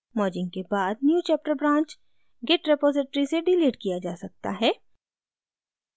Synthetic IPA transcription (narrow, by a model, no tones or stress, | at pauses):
mɔːɾd͡ʒɪ̃ŋɡ̚kebaːd̪̚njuːt͡ʃɛːp̚ʈəɾbɾãːɲt͡ʃ | ɡɪʈɾepoːzɪʈəɾiseɖɪliːʈkijad͡ʒaːsɐk̚t̪a̰ɦɛː